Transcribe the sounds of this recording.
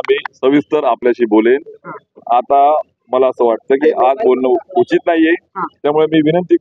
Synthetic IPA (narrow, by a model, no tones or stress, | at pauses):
miːsəʋist̪əɾapljaɕiːbolen | at̪a | məlaəsəːʋaʈ̚t̪əːkiːʔad͡zbolnəut͡ɕiːt̪naijeɦãt̪jamuɭemiːʋinənt̪i